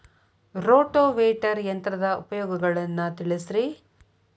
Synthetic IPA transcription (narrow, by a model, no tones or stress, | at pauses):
ɾoːʈoːʋeːʈɐɾjɐnt̪ɾɐd̪ɐupɐjɔːɡɐɡɐɭɐnːɐt̪iɭisɾi